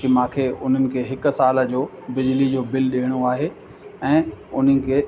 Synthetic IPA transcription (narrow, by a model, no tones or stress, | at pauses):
kimãːkʰeːʊn̤ənɪ̆kʰeːɦɪk̆saːləd͡ʑoː | bɪd͡ʑlid͡ʑoːbɪlɗeːɽ̃oaːɦe | ɛ̃ːʊn̤ənɪ̆kʰeː